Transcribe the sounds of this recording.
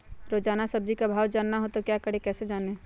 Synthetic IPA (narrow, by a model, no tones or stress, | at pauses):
ɾoːd͡ʒaːnasɐb̚d͡ʒikabʱaːwd͡ʒaːnːaɦot̪okjaːkəɽ̤ekɛːsed͡ʒaːneː